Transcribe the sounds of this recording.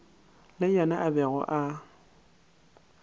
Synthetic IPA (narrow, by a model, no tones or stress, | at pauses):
lɪjɛnaʔabɛɣɔ̰ʔa